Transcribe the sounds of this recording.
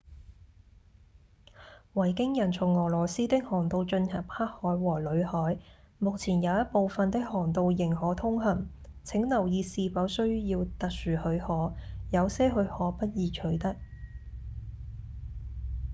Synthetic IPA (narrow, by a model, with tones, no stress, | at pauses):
wɐ˨˩jkɪ˥ŋjɐ˨˩nt͡sʰʊ˨˩ŋːɔː˨˩lɔː˨˩siː˥t̪ɪ˥k̚hɔː˨˩ŋt̪o˧wt͡ʃɵ˧nhɐ˨˩p̚haː˥k̚hɔː˨˥jwɔː˨˩lɵ˨˧ɥhɔː˨˥j | mʊ˨k̚t͡sʰiː˨˩njɐ˨˧wjɐ˥t̚po˨˧wfɐ˨nt̪ɪ˥k̚hɔː˨˩ŋt̪o˧wjɪ˨˩ŋhɔː˨˥t̪ʰʊ˥ŋɦɐ˨˩nt͡sʰɪ˨˥ŋlɐ˨˩wjiː˨˧siː˧fɐ˨˥wsɵ˥ɥjiː˧wt̪ɐ˨k̚syː˨˩hɵ˨˧ɥhɔː˨˥jɐ˨˧wsɛː˥ɦɵ˧ɥhɔː˨˥pɐ˥t̚jiː˨˧t͡ʃʰɵ˨˧ɥt̪ɐ˥k̚